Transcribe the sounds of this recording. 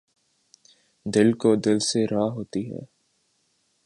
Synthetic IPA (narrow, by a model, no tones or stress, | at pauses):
d̪ɪlkod̪ɪlseɾaːɦoːt̪iɦɛ̰ː